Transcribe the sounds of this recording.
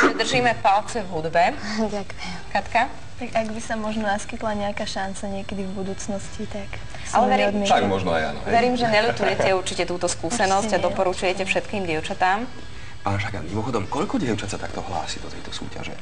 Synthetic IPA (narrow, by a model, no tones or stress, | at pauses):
ɛd̪r̩ʒiːmɛpalt͡sɛvɦud̪bɛ | kat̪ka | t̪aɡaɡbisamɔʒnɔnaskit̪laɲɛakaːʃant͡saɲɪɛkɛd̪ivbud̪uːt͡snɔscit̪ak | alɛʋɛɾiːmʃaɡmɔʒnɔa̰ja̰nɔʋɛɾiːmʒɛɲɛlut̪ujɛcɛuɾt͡ʃicɛt̪uːt̪ɔskuːsɛnɔzɟad̪ɔpɔɾut͡ʃujɛcɛfʃɛt̪kiːmɟɪɛʊt͡ʃat̪aːm | paːnʒaɡa̰mimɔxɔd̪ɔmkɔʎkɔɟɪɛʊt͡ʃat̪sat̪akt̪ɔɦla̰ːsid̪ɔt̪ɛjt̪ɔsṵːca̰ʒɛ̰